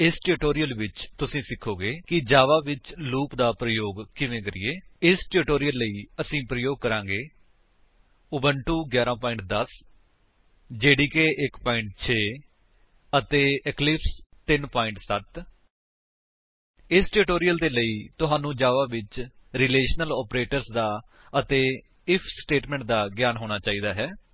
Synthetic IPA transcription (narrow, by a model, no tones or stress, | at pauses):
ɪsʈeːʈoːɾijəlʋɪt͡ʃt̪ʊsĩːsɪkʰːoːɡeːkɪd͡ʒaːʋaːʋɪt͡ʃluːpd̪aːpɾəjoːɡkɪʋẽːkəɾḭːeːɪsʈeɾʈoːɾijəlːəiːəsĩːpɾəjoːɡ̚kːəɾãːɡeː | ʊbəɳʈuːɡjaːɾãːpɔːɪ̃ɳʈ̚d̪əs | d͡ʒeːɽiːkeːʔɪkpaːɪɳʈ̚t͡ʃʰeː | ət̪eːɪklɪpst̪ɪnpaːɪ̃ɳʈsət̪ | ɪsʈɪʈoːɾijəld̪eːləiːt̪ʊɦaːnũːd͡ʒaːʋaːʋɪt͡ʃɾɪleːʃnəlɔːpɾeːʈəɾsd̪aː | ət̪eː | ɪpʰsʈeːʈmɛ̃ːɳʈ̚d̪aːɡjaːnɦoːɽ̃aːt͡ʃaːiːd̪aːɦɛː